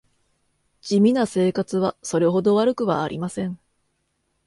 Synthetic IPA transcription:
d͡ʑimʲinase̞ːkat͡sɨβaso̞ɾe̞ɦo̞d̪o̞βaɾɯ̟kɯ̟βa̰ːɾʲḭmasẽ̞ɴ

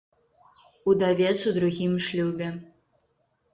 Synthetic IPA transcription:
ud̪avʲɛt̪sud̪ɾuɣʲimʂlʲubʲɛ

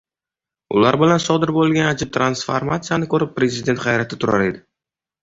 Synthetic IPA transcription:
ʊ̰laɾbɪlansɒd̪ɪɾbolˠɡʲanad͡ʒɪp̚t̪ʰɾansfa̰ɾmat̪sɨjanɪkʰɵɾɪpːɾe̞zɪd̪e̞nt̪χajɾat̪ʰɪt̪ʰʊɾa̰ɾe̞̰d̪ɪ

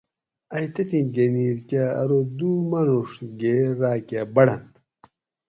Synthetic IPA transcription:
ɐjt̪ɐt̪ĩɡeniːɾkaɐ̰ɾod̪umɐnuʂɡeɾaːkabɐɽɐnd̪

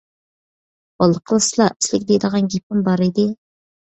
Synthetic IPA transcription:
bɑlˠːəqʰəlˠɨslˠɑɪslɪkʲd̪ejd̪əʁɑnɡʲip̚ɪmbɑɾɪd̪ɪ

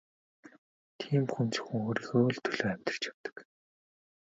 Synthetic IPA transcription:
t̪ʰiːmxunt͡sɵ̥xɘ̆ŋoːɾiːɣoːɮt̪ʰɵɮoːæm̥ʲt̪ə̆r̥t͡ɕjawt̪ə̥̆k

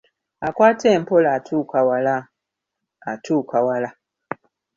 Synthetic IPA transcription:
akwaːteːmpolatʰuːkawalaː | tʰuːkawala

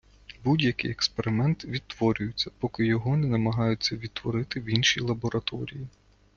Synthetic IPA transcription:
budʲjɐkɪ̰jɛkspeɾɪmɛnt̪ʋʲid̪̚t̪ːʋɔɾʲʊjʊt͡sʲːɐpɔkɪjɔɦɔnɛnɐmɐɦɑjʊt͡sʲːɐʋʲid̪̚t̪ʋɔɾɪt̪ɪwinʃʲijlˠɐbɔɾɐt̪ɔɾʲiji

